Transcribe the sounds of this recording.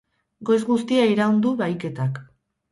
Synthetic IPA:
ɡo̞jzɡust̪iaiɾaund̪uβajke̞t̪ak

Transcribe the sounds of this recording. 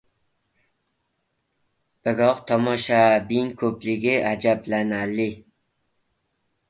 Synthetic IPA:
b̥aɡɒqt̪ʰɒmɒʃabɪŋkʰɵplɪɡʲɪʔad͡ʒablanalɪ

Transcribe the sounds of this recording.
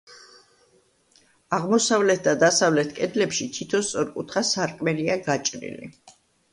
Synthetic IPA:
aʁmɔsavlɛt̪̚ʰd̪ad̪asavlɛt̪ʰkʼɛd̪lɛpʃit̪ʰit̪ʰɔst̪sʼɔɾkʼut̪ʰχasaɾkʼmɛliaɡat͡ʃʼɾḭlḭ

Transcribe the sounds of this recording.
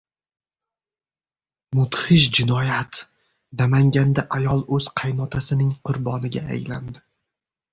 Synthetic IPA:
mʊt̪hɪʃ̬d͡ʒɪnɒjat̪ | namaŋɡʲand̪aʔajɒlˠɵz̥qʰɑjnɒt̪ʰasɪnɪŋqʰʊɾbɒnɪɡʲaa̰jland̪ɪ

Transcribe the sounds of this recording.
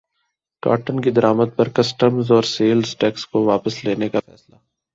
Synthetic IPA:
ka̰ːʈənkid̪ɐɾaːməd̪̚pɐɾkɐsʈəmzɔːɾseːlzʈɛːkskoʋaːpəsleːnekaɛːsla

